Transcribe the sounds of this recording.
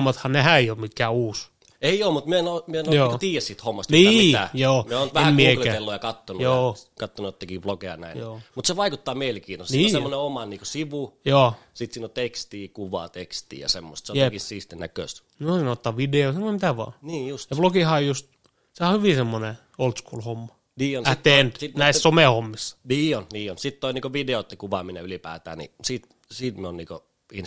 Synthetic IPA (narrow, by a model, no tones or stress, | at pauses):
mːɑt̪hɑnehæeiopmikːæːuːs | eioːmut̪miyøenomiøenojoːkt̪iːjˑæssiːt̪homːɑst̪mniːæ̰joːmeoːnt̪ʋæehæmkːielæt̪elːujɑkɑt̪ːonujoːkɑt̪ːonujot̪ːekib̥lokeɑ̰næ̰injoːmut̪seʋɑikut̪ːɑːmielikiːnosnsiːnssemːoneomɑniːkosiʋujoːsit̪siːnot̪ekst̪iːkuʋɑ̰t̪ekst̪ḭjɑ̰semːo̰st̪seoj̪eekissiːst̪enæ̰kø̰ˑst̪ | nosɑnoˑt̪ːɑːʋideosenːomit̪æʋɑ̰ːniːjust̪jɑblokiˑhɑojjust̪ | sehɑhyʋisemːone | olt̪skuːlhomːɑ | niːonæt̪ːeend̪̥sit̪næissomeˑhomːisːɑ̥niːonniːonsit̪t̪oiniːkoʋideot̪ːikuʋɑminḛylipæ̰ːt̪æ̰ːnḭsiːt̪ | siːt̪mionniːko̰ | in